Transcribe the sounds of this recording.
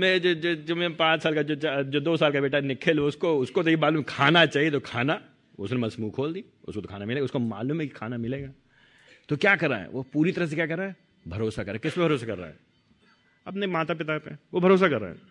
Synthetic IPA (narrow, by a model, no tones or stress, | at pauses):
med͡ʒod͡ʒod͡ʒomẽpãːt͡ʃsaːlkad͡ʒoːt͡ʃad͡ʒoːd̪oːsaːlkabeːʈanɪkʰəloʊskoʊskot̪̬oimaːluːmkʰaːnat͡ʃaːɦiet̪okʰaːna | ʊsnemɐsmuːkʰoːld̪i | ʊ̰skot̪okʰaːnamɪleːɡaʊskoma̰ːluːmɦɛki̥kʰaːnamɪleːɡaː | t̪okjaːkɐɾːa̰ɦɛ̰ʋopuːɾit̪ɐɾəɦs̬ekʲjaːkɐɾːaɦɛ | bʱɐɾoːsakɐɾːaɦɛkɪspebʱɐɾoːsakɐɾːa̰ːɦɛ̰ː | ɐpnemaːt̪apɪt̪apḛʋobʱɐɾoːs̬akɐɾːa̰ːɦɛ̰ː